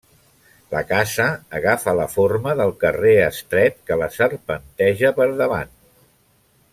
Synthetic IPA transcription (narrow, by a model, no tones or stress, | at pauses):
ləkazəːɣafələforməðəlˠkəreəst̪ɾɛt̪kələsərpənt̪ɛʒəpəɾðəβa̰n